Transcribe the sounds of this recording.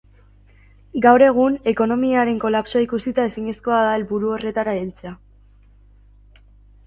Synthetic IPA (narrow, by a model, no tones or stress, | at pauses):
ɡawɾe̞ɣ̞une̞ko̞no̞miaɾe̞ŋko̞lapso̞aikusit̪ae̞siɲesko̞aðaelβuɾuo̞re̞t̪aɾailt͡sea